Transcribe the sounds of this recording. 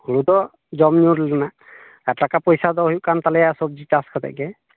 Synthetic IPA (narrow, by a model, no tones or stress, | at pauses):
hulud̪ɔ | zɔmɲuɾlɔna | ɛtakapɔjsad̪ɔɦjʔkant̪alɛjasɔb̚zitaskʰɔd̪a̰ʔɡɛ